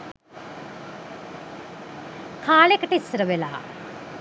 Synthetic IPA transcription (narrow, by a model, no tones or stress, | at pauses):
kʰaːlekʈisɾɐʋela̰ː